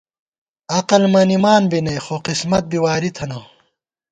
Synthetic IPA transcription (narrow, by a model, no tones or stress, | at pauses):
ɐqɐlmɐnimaːnbinɐjxoqismɐt̪̚biwaːɾit̪ʰɐnɐ